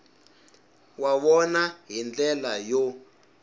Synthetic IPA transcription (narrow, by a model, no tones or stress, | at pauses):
waβɔnaɦind͡ɮɛlajo